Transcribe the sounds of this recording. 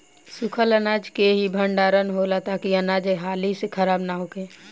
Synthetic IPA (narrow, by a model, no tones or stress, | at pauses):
sukʰələnad͡ʒkeɦibʱəɳɖaːɾənɦolat̪akiənad͡ʒeɦaːlisekʰəɾaːbnaɦoke